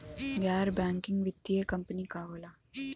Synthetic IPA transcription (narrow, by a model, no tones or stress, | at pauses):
ɡjaːɾbɛ̃ːŋkɪ̃ŋɡʋɪt̪ːiekɐ̃mpənikaːʋoːlaː